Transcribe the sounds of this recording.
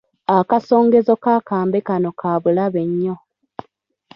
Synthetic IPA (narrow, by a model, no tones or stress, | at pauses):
akaso̞ːŋɡe̞zo̞kaːkaːmbekano̞kʰaːβulaβe̞ɲːo